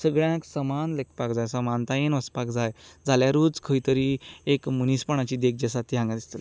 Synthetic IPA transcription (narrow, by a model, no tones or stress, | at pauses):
səɡɭjãksəmanlek̚ʰpakd͡zajsəmant̪ajenʋəspakd͡zajd͡zaljaɾuːd͡zkʰəjt̪əɾiːekmənispəɳ̃at͡ɕiːd̪ek̚ʰd͡ʑəsat̪ʰiɦãŋɡad̪ist̪əl